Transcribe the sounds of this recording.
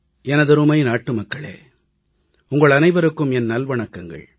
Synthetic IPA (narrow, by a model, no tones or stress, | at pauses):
ɛnɐðɯɾɯmɐɪnaːʈːɯmɐkːɐɭḛː | ʊŋɡɐɭɐnɐɪʋɐɾɯkːɯmɛnnɐlʋɐɳɐkːɐŋɡɐ̰ɭ